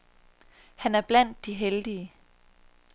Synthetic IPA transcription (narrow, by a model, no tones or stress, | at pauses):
hænæɐb̥læn̰d̥ːiɦeld̥iə